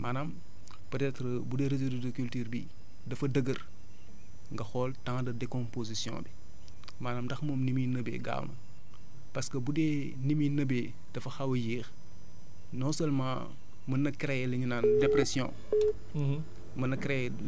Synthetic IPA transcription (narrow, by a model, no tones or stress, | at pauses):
maːnam | pətɛːtɾəbudɛːɾezodudokultyːrbḭ | dɐfɐdəɡər | ŋɡɐxɔːltãŋdɐdɛkɔ̃mpozisjɔ̰̃ːbi | maːnaːmdɐxmɔːmniminəbɛ̰ɡa̰ːwnɐ̰ | pɐskəbudɛ | niminəbe | d̥ɐfɐxɐwɐjiːx | nɔsɐlmã̰ː | mɐnɐkɾɛɛliɲunaːndɛpɾɛsjɔ̰̃ː | mɐnɐkɾejɛ